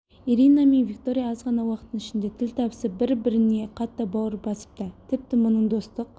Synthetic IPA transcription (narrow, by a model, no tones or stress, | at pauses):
iɾinamenvʲikt̪o̞ɾʲijaɑzʁɑnɑwɑqət̪ənɪʃɪnd̪e̞t̪ʰɪlʲt̪ʰɑbsəbɪɾbɪɾɪne̞qʰɑt̪ːɑbɑwəɾbɑsə̥p̚t̪ət̪ʰɪp̚t̪ɪmʊnəɴd̪o̞st̪əq̚